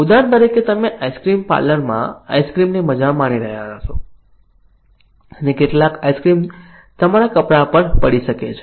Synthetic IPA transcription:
ud̪ant̪əɾiket̪əmeʔajskɾimpa̰lənmã̰a̰jskɾimniməd͡ʒamaniɾəɦjanat͡ʃʰo | ənekeʈlakajskɾim | t̪əmaɾakəpɽapəɳpəɽiʃəket͡ʃʰ

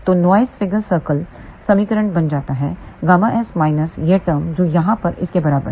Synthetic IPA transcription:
t̪oːnaːɪsfɪɡəɾsəːɾkəl | sɐmiːkəɾə̃ɳʈbɐnd͡ʒaːt̪aɦɛːɡaːmãʔɛːsmaːɪnəsjeʈəːɾmd͡ʒoːjɐɦãpɐɾɪ̰skebɐɾaːbə̰

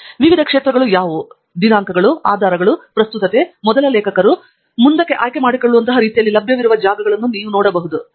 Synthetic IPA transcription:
ʋiʋid̪ʱɐkʂeːt̪ɾɐɡɐɭujaːʋu | d̪inaːŋkɐɡɐɭua̰ːd̪ʱaːɾɐɡɐɭupɾɐst̪ut̪ɐt̪e̞mɔd̪ɐlɐleːkʰɐkɐɾu | mund̪ɐkːe̞ʔaːjke̞maːɽikoɭːuʋɐnt̪ɐɦɐɾiːt̪ijɐlːilɐbʱjɐʋiɾuʋɐd͡ʒaːɡɐɡɐɭɐnːuniːʋunɔːɽɐbɐɦud̪u

